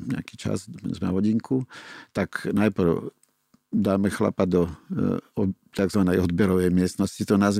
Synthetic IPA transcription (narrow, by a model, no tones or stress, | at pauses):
ɲɛ̰akiːt͡ʃa̰z̰ɛ̰zmɛna̰ʋɔɟiŋkʰut̪aknajpr̩ʊ | d̪aːmɛxla̰pad̪ɔ | t̪aɡzʋanɛjɔd̪bɛɾɔʋɛjmɪɛsnɔscit̪ɔnaz